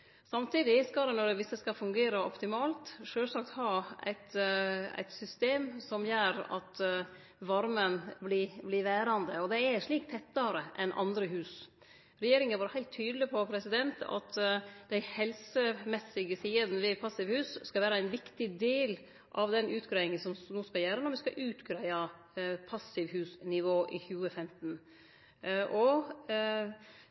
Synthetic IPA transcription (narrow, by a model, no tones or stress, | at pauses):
sɑmt̪iːd̪ɪskɑd̪ɛnɔɖɛʋɪsːəskɑfʉŋɡeːɾəɔ̰pt̪ɪmɑːlt̪ʂøːlsɑk̚t̪hɑæ̰ɪt̪æ̰ɪt̪sʏst̪eːmsɔmjøːɾɑ̰t̪ | ʋɑɾmənbliblɪʋæːɾɑnd̪əɔd̪ɛæʂɭiːkt̪ʰɛt̪ːɑɾəʔɛnʔɑ̰nd̪ɾəɦʉːs | ɾɛjeːɾɪŋənʋɑːɾəhæɪlt̪ʰːyːd̪əlɪpʰɔpʰɾɛsɪd̪ɛnt̪ʰɑ̰t̪d̪æɪhɛlsəmɛsːɪɡəsiːəd̪nəʋɪpʰɑsːɪʋhʉːsskɑlʋæːɾəæɪnʋɪkt̪ɪd̪eːl | ʔɑʋd̪ɛnʔʉːt̪ɡɾæɪɪŋənsɔmnuːskɑljæːɾənɔɾʋɪskɑʔʉːt̪ɡɾæɪɑ | pʰɑsːɪʋhʉːsnɪʋoːʔɪçʉːəfɛmt̪n | ʔɔ